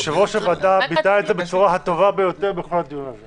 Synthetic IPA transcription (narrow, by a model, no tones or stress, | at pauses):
ʃevoʃevad̪abit̪aetzebet͡suʁaɦat̪o̞vabejo̞t̪eʁbexo̞lhad̪ijunaze